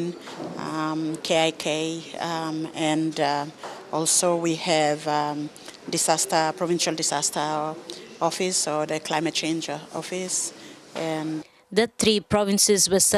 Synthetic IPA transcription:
n | mkʰeaɪkʰe | ɛ̃nd | ɔlsowihɛv | dɪsastəpɹɔvɪ̃nʃalˠdɪsastʰə | ɔfɪsɔðəkʰlaɪmɛt̚t͡ʃẽnd͡ʒɔfɪs | ʔɛ̃n | d̪ət̪ʰɾipɹɔvɪ̃nsɪzwəs

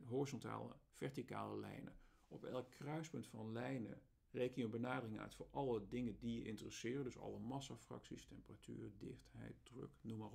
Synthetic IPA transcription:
ɦorizɔnta̰ːlə̰v̥ɛɹtika̰ːləlɛ̰jnə̰ | ɔpɛlˠkʰːrœɥspɵntfɑnlɛjnə̰ | rejkənjənbənaːdərɪŋœ̰ɥtfʊːɹʔɑlˠədɪŋədijəʔɪntərəsɪːrəndɵsɑ̰lˠəmɑsafrɑ̰ksistɛmpəratʰy̰ːrdɪ̰χtɦɛ̰jt̚d̥rø̰knuma

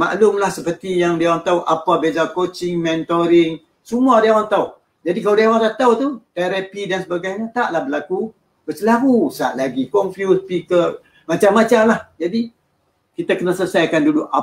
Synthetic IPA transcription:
ma̰ʔlʊmlahsəpərt̪ijaŋdiawaŋt̪auʔapabezakot͡ʃɪŋmɛnt̪oɾɪŋ | sumuadiawaŋt̪au | d͡ʒadikaladawaŋkat̪awt̪ut̪eɾapidansəbaɡajɲat̪aʔlahbəlaku | bəsəlaɦusa̰ʔlaɡikɔnfjuspikə | mat͡ʃamːat͡ʃamlahd͡ʒadi | kit̪akənasələsajkanduduʔa

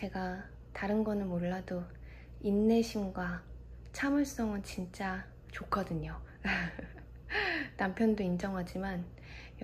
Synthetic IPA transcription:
t͡ɕe̞ɡa | taɾɯnɡʌnɯnmoɭːado | inːe̞ɕʰimɡwa | t͡ɕʰamɯɭs͈ʌŋɯnt͡ɕint͡ɕ͈a | t͡ɕokʰʌdɯɲo | nampʰjʌndoind͡ʑʌŋɦad͡ʑiman | j

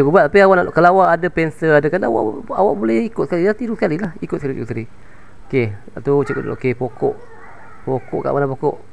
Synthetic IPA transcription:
əkubat̪apiawaʔnakalawaʔadapɛnsəadakana̰wa̰ʔa̰waʔbolɛhikʊt̪sə̥kalidat̪iɾuŋsəkalilahikʊt̪̚skaliusali | okeat̪ut͡ʃəkə̰t̪ʔokepokɔʔ | pokɔʔka̰ʔwanapokɔʔ

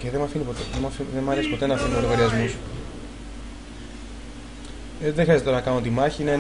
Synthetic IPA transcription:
ceðemɐfinipot̪eðemɐfiðemɐɾe̞si̥po̞t̪e̞nɐːfinioloɣɐɾiɐzmus | eðexɾɐzet̪oɐnɐkɐno̞t̪imɐçiine

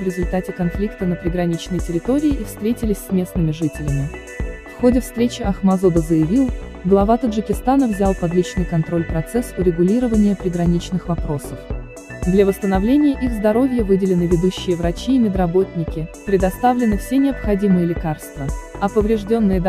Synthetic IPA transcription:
vɾʲɪzʊlʲt̪atʲɪkɐnflʲikt̪ənəpɾʲɪɡɾɐnʲit͡ɕnɨjtʲɪɾʲɪt̪o̞ɾʲɪːʔifst̪ɾʲetʲɪlʲɪsʲsʲmʲe̞snɨmʲɪʐɨtʲɪlʲɪmʲɪ | fxo̞dʲɪfst̪ɾʲet͡ɕɪɐxmɐzod̪əzəjɪvʲilˠɡlˠɐvat̪əʐɨkʲɪst̪anəvzʲalˠpɐd̪lʲit͡ɕnɨjkɐnt̪ɾo̞lʲpɾɐt̪sɛsʊɾʲɪɡʊlʲiɾəvənʲɪjəpɾʲɪɡɾɐnʲit͡ɕnɨxvɐpɾo̞səf | d̪lʲɐvəst̪ənɐvlʲenʲɪjəʔiɣzd̪ɐɾo̞vʲjəvɨdʲɪlʲɪnɨvʲɪd̪uɕːɪjəvɾɐt͡ɕiːmʲɪd̪rɐbo̞t̪ʲnʲɪkʲɪpɾʲɪd̪ɐst̪avlʲɪnɨfsʲe̞nʲɪɐpxɐdʲimɨjəlʲɪkarst̪və | ɐpəvɾʲɪʐdʲo̞nːɨjəd̪

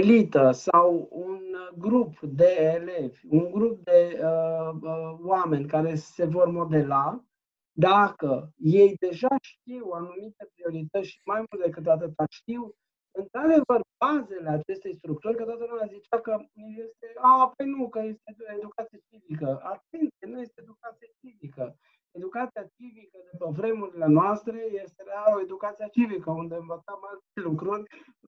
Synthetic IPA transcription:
elit̪əsawunɡɾupd̪e̞ːle̞vʲuŋɡɾup̚d̪e̞əəwame̞nʲkaɾe̞se̞vo̞rmo̞d̪e̞la | d̪akəje̞jd̪e̞ʒaʃt̪iwanumit̪e̞pɾio̞ɾit̪ət̪sʲmajmult̪d̪e̞kɨt̪̬at̪̬ɨt̪aʃt̪iw | ɨnt̪ɾad̪e̞vərbaze̞le̞at͡ʃe̞st̪e̞jst̪ɾuk̚t̪urʲkət̪oat̪əlumjazit͡ʃakənijest̪e̞aːpo̞jnukəje̞st̪eed̪ukat̪sijat͡ʃivikəat̪̚e̞nt̪sijenuje̞st̪eed̪ukat̪sijat͡ʃivikə | e̞d̪ukat̪sijat͡ʃivikəd̪upəvɾe̞muɾile̞noast̪ɾe̞je̞st̪eɾeaoe̞d̪ukat̪siat͡ʃivikəund̪eɨɱvət̪samalt̪lukɾurʲ

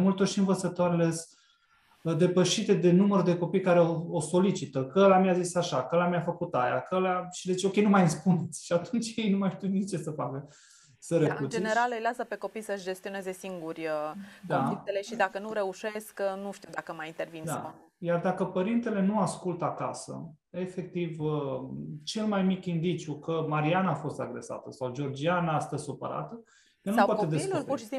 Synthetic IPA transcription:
mult̪orʃiɨnvət̪sət̪oaɾeles | əd̪e̞pəʃit̪e̞d̪e̞numərd̪e̞ko̞pijkaɾe̞ooso̞lit͡ʃit̪əkəlamiazisaʃakəəlamjafəkut̪aja̰kəlaʃid̪eit͡ʃʲo̞kʲe̞jnumajɨspune̞t̪sʲʃiat̪unt͡ʃʲje̞jnumajʃt̪iut̪nit͡ʃe̞səfakə | səɾekut͡ʃd͡ʒeneɾalɨjlasəpe̞ko̞pijsəʃd͡ʒe̞st̪io̞neze̞siŋɡurʲəkd̪oalik̚t̪ele̞ʃid̪akənuɾe̞uʃe̞sknuʃt̪iwd̪akəmajint̪e̞rvind̪a | jard̪akəpəɾint̪e̞le̞nuaskult̪əakasə̰ | e̞fe̞k̚t̪ivət͡ʃe̞lmajmikʲind̪it͡ʃʲjukəmaɾianaːfo̞st̪aɡɾe̞sa̰t̪əsawd͡ʒo̞rd͡ʒianaast̪əzʲsupə̰ɾa̰t̪ə | jelnupwaed̪eslupurʃi̥si

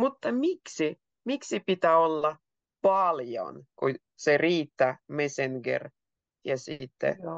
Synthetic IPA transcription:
mut̪ːɑmiksi | miksipit̪æolːɑ | pɑljo̰nku | seriːt̪ːæmeseŋɡḛr | jɑsit̪ːḛ

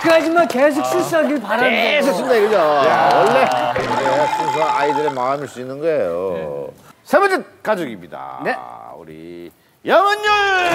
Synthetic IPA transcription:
kad͡ʑimankes̬ʰok̚s͈ɯs͈ʌɡiɭpaɾansʰɯs͈ʰundeɡɯd͡ʑojawʌɭːees͈ʰuŋs̬ʰʌaidɯɾemaːmiɭs͈uinːɯnɡʌejo | sʰemʌnd͡ʑet̚k͈ad͡ʑoɡimɲida̰neṵɾḭ | jʌmʌɲʌ

